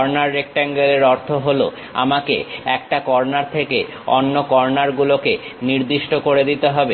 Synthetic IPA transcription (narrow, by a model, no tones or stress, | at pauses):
ɔɾnaɾːek̚ʈaŋɡeleɾɔɾt̪ʰoɦolo | a̰makḛɛkʈakɔɾnaɾt̪ʰeke | ɔ̰nːokɔɾnaɾɡuloke | niɾd̪iʃʈokoɾed̪it̪eɦɔbe